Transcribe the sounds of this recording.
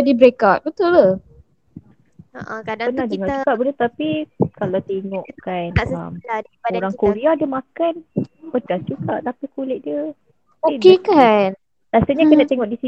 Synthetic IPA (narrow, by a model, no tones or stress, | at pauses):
dibɾekat̪̚bət̪ʊla | ʔpənaht̪eŋɔʔd͡ʒukaʔbənət̪apikalawt̪eŋɔʔkanmoɾaŋkoɾeadəmakanpədasd͡ʒuɡaʔt̪apikulɪʔ̚diə | oidkekan | lasaɲakənaʔt̪eŋɔʔdisi